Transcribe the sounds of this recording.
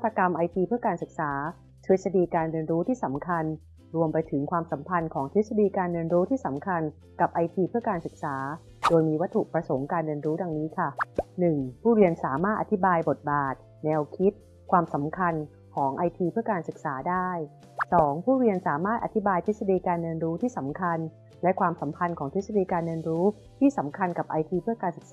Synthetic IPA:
a˥˩t̪ɾa˧ka˧mʔa˧jt̪ʰiː˧pʰɯ˥˩əkaː˧nsɯ˨˩k̚saː˩˦ | t͡ɕ̪ʰi˦˥sa˧diː˧kaː˧nɾɯ˧ənɾuː˦˥t̪ʰiː˥˩sa˩˦mkʰa˧n | ɾu˧əmpa˧jt̪ʰɯ˩˦ŋkʰwaː˧msa˩˦mpʰa˧nkʰɔː˩˦ŋt̪ʰi˦˥t̪̚sa˧diː˧kaː˧ndɯ˧ənɾuː˦˥t̪ʰiː˥˩sa˩˦mkʰa˧n | ka˨˩p̚ʔa˧jt̪ʰiː˧pʰɯ˥˩ɐkaː˧nsɯ˨˩k̚saː˩˦ | doː˧jmiː˧wa˦˥t̪ʰːu˨˩ʔpɾa˧so˩˦ŋkaː˧nɾɯ˧ənɾuː˦˥da˧ŋniː˦˥kʰa˥˩nɯ˨˩ŋpʰuː˥˩ɾi˧ənsaː˩˦maː˥˩t̪̚ʔa˨˩t̪ʰi˦˥baː˧jbo˨˩t̪̚baː˨˩t̪̚ | nɛː˧wkʰi˦˥t̪̚ | kʰwaː˧msa˩˦mkʰa˧n | kʰɔː˩˦ŋʔa˧jt̪ʰiː˧pʰɯ˥˩əkaː˧nsɯ˨˩k̚saː˩˦daː˥˩j | sɔː˩˦ŋpʰuː˥˩ɾi˧ənsaː˩˦maː˥˩t̪̚ʔa˨˩t̪ʰi˦˥baː˧jt̪ʰi˦˥sa˧diː˧kaː˧nːɤː˧nɾuː˦˥t̪ʰiː˥˩sa˩˦mkʰa˧n | lɛ˦˥kʰwaː˧msa˩˦mpʰa˧nkʰɔː˩˦ŋt̪ʰi˦˥sa˧diː˧kaː˧nːɤ˧nɾuː˦˥ | t̪ʰiː˥˩sa˩˦mkʰa˧nka˨˩p̚ʔa˧jt̪ʰiː˧pʰɯ˥˩ɐkaː˧nsɯ˨˩k̚sa˦

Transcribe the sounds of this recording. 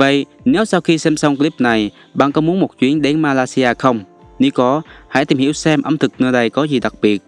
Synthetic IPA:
və̰˧˨jʔ | ne˨˦wsaː˧wxi˧sɛ˧msə˧wŋ͡mkli˦˥p̚na˨˩j | ɓaː˧˨ŋkɔ˨˦mu˨˦ənmo˨˩t̚t͡ɕwi˨˦əŋɗe˨˦nmaː˧laː˧si˧ʔaː˧xə˧wŋ͡m | ni˨˦kɔ˨˦ha̰˧˥˨t̪i˨˩mhḭ˧˩əwsɛ˧mʔə˧mt̪ʰɨ˨˩k̚nɨ˧na˨˩jkɔ˨˦zi˨˩ɗa˨˩k̚ɓi˨˩ət̚

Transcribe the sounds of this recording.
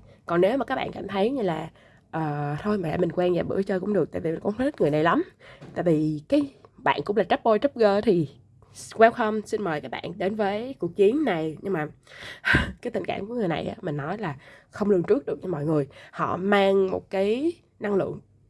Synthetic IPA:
kɔ˨˩nne˨˦wma˨˩kaː˦˥k̚ɓ̰ːkaː˧˩mt̪ʰə˨˦jɲɨ˧laː˨˩ | ʔəː˨˩t̪ʰo˧jma˨˩la̰ː˧˩mï˨˩ŋkwɛ˧nzaː˨˩ɓɨ̰˧˩˥t͡ɕəː˧kʊ̰˧˥ŋ͡mɗək̚t̪a̰ː˧˨vi˨˩m˨˩ŋkʊ̰˧˥wzə˦˥t̚ŋɨ˨˩əna˨˩jla˨˦mt̪a̰ː˧˨jvi˨˩kaː˨˦jɓa̰ː˧˨nkʊ̰˧˥ŋ͡mlaː˨˩t͡ɕə˦˥p̚ɓo˧jt͡ɕə˦˥p̚ɣəː˧t̪ʰi˨˩ | kwɛ˧˦w̚hə˧msï˧nməː˨˩jkaː˦˥k̚ɓa̰ː˧˨nɗe˨˦nvəː˨˦jku˨˩ək̚t͡ɕi˨˦ənːa˨˩jɲɨ˧ŋmaː˨˩ʔkaː˨˦t̪ï˨˩ŋka̰ː˧˨mku˧˥əŋɨ˨˩jna̰˨˩jʔa̰ː˨˦mï˨˩ŋ̟nɔ˨˦jlaː˨˩xə˧wŋ͡mlɨ˧ənt͡ɕɨ˦˥ək̚ɗɨ˨˩ək̚ɲa˧mɔ̰˧˨jŋɨ˨˩əjhɔ̰˧˨maː˧ŋmo̰˨˩t̚kaː˨˦j | na˧ŋlɨ̰˧˨əŋ

